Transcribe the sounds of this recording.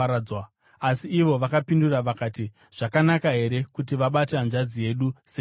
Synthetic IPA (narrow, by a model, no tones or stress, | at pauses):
wa | asiːʋo̞ʋakapinduraʋakaːti | ʐ̥akanakaɦe̞ɾe̞kut̬iʋaɓatanʐad͡zije̞ɗuse